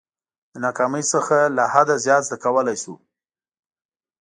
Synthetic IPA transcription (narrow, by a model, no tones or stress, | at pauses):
d̪ənɑkɑməjsəxalahad̪azjɑt̪zd̪əɾkawəlajsṵ